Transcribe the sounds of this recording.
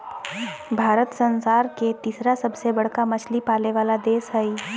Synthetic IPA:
bʱaːɾət̪sə̃nsaːɾket̪iːsɾasɐbsebɐɽ̤kamɐt͡ʃʰlipaːleʋaːlad̪eːsɦɛi

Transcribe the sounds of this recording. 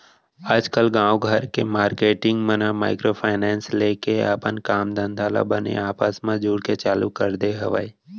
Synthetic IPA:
ad͡ʒkəlɡãːʋɡʱəɾkemaːɾkeːʈɪ̃ŋɡmənama̰ːɪkɾopʰaːɪnɛːnsleːkea̰ːpənkaːmd̪ə̃nd̪ʱaːla̰bənḛaːpəsmãd͡ʒuːɽket͡ʃaːlukəɾd̪eɦəʋə̰i

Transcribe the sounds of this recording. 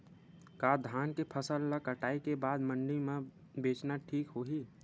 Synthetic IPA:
kaːd̪ʱaːnkepʰəsəlːakəʈaːikebaːd̪mə̃ɳɖimẽ | beːt͡ʃnaʈʰiːkɦoɦi

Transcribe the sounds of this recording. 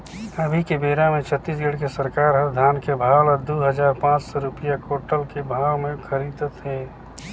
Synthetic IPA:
əbʱikebeːɾamẽt͡ʃʰət̪ːiːsɡəɽkesəɾkaːɾɦət̪d̪ʱaːnkebʱaːwləd̪uɦəzaːɾpãːt͡ʃsɔɾʊpɪjakoːʈəlkebʱaːwmẽkʰəɾiːd̪ət̪ɦɛː

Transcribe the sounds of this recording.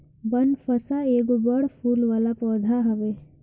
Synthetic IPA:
bɐnfəsaeːɡubəɽpʰuːlʋaːlapɔːd̪ʱaɦɐʋeː

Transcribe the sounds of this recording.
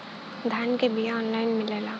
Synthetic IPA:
d̪ʱaːnkebijaɔːnlaːɪnmɪleːlaː

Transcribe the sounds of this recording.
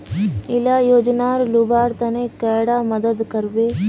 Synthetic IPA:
ɪlaːjoːd͡ʒnaːɾlubaːɾt̪ɐnẽːkɛːɽaməd̪əd̪kəɾbeː

